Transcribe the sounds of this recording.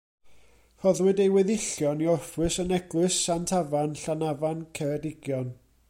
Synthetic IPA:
hɔðwɨdejwɛðɪɬjɔniɔrwɨsənɛɡlˠɨsːantʰavanɬanavankʰɛɾɛdɪɡjɔn

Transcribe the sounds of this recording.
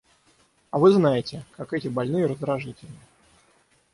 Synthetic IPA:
ɐvɨznajɪtʲɪkakɛtʲɪbalʲnɨjəɾəzd̪ɾɐʐɨtʲɪlʲnə

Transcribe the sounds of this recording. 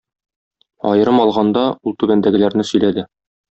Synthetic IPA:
ɒ̰jɤ̆ɾɤmɒlˠʁɑnd̪ɑulˠt̪ʉbænd̪æɡɘ̆læɾnɘsɵ̆jlæd̪ɘ

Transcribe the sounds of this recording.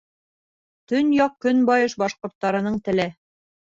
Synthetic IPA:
t̪ɵnjɑq̚kːɵnbɑjɤʃbɑʃqŏɾt̪ːɑɾɤ̆nɤɴt̪ɘ̆lɘ

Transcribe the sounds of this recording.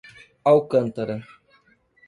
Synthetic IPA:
awkənt̪əɾə

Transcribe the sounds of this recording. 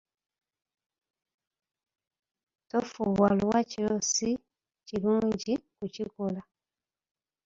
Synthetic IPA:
tofuɣwaluwacilosi | ciluːɲɟikucikola

